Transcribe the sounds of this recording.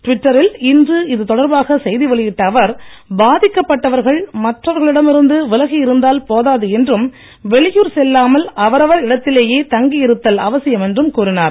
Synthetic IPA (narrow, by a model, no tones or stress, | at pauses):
ʈʋɪʈːɐɾɪlɪndrɯɪðɯt̪ɔɽɐɾbaːɣɐsɛjðiʋɐɭɪjɪʈːɐːʋɐɾbaːðɪkːɐpːɐʈːɐʋɐɾɣɐɭmɐʈrɐʋɐɾɣɐɭɪɽɐmɪɾɯnd̪ɯʋɪlɐɣijɪɾɯnd̪aːlpoːðaːðɯɛndrɯm | ʋɛɭɪjuːɾsɛlːaːmɐlɐʋɐɾɐʋɐɾɪɽɐt̪ːɪleːjeːt̪ɐŋɡijɪɾɯt̪ːɐlɐʋɐsɪjɐmɛndrɯmkuːɾɪnaːɾ